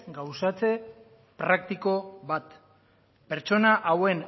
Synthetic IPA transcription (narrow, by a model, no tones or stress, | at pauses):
ɡawsat͡se̞ | pɾak̚t̪iko̞βat̪ | pe̞ɾt͡ʃo̞naʔawe̞n